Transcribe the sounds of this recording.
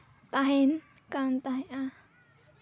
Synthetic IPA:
t̪aɦen | kant̪ahẽʔa

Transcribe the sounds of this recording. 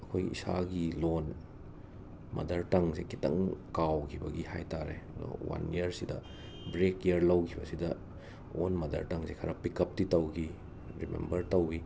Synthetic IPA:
ɐkʰojḭsa̰ɡilon | mɐ̰dɐɾtɐŋsekitɐ̰ŋkawkʰibɐɡihajtaɾḛɐdo̰wa̰nijɐɾsidɐ | bɾekiɐɾlɐwkʰibɐsidɐ | onmɐdɐ̰ɾtɐŋsekʰɐɾɐpikɐp̚titɐwkʰi | ɾimḛmbɐɾtɐwi

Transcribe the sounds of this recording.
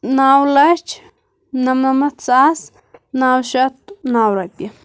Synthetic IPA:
naːwlɐt͡ʃ | nɐmnɐmɐt̪sas | naːwʃɐt̪̚naːwɾɐki

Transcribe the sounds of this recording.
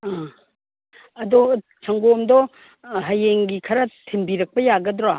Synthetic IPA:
a | ɐdɔ | t͡ʃʰɐŋɡomdɔ | ɦɐjeŋɡikʰɐɾɐtʰembiɾɐk̚pɐjaɡɐdɾa

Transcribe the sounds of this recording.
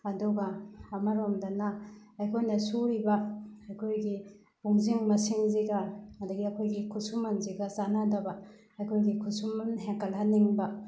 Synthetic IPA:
ɐduɡɐːmɐɾomdɐnaɐjkʰojnɐsuɾibaɐjkʰojɡi | buŋziŋmɐsiŋziɡaɐdɐɡiɐkʰojɡikʰusumɐnziɡazanadɐba | ɐjkʰojɡikʰusumanɦeŋkɐlɦaniŋba

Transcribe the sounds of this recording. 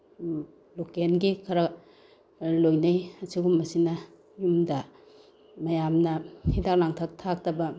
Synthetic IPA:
lokenɡikʰɐɾa | lojnajɐsiɡumːɐsinɐ | jumdɐ | mɐjamnɐhidak̚laŋtʰak̚tʰak̚tɐbɐ

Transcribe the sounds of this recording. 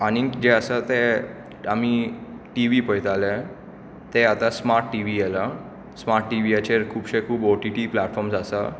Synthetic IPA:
añid͡ʑeəsət̪ɛ | amiʈiʋiːpəjt̪ale | t̪eat̪asmaɾʈːiʋiɛla | smaɾʈːiʋiat͡ɕeɾkʰuːpɕekʰuːboʈiʈiplaʈfɔɾmsasa

